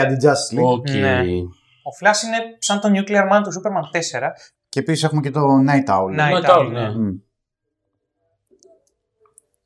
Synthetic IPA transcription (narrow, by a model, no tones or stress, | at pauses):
ɐd̪id͡zɐsliocee | oflɐsine̞sɐnt̪o̞ɲjukliɐɾmɐnt̪usupeɾmɐnt̪e̞se̞ɾɐ | ceːpisi̥s̬e̞xumecet̪onɐjt̪ɐulnɐt̪ane